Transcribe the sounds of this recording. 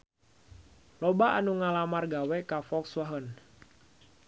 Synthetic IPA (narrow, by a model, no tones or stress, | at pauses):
lɔbaʔanuŋalamarɡawɛkafɔkswaɦən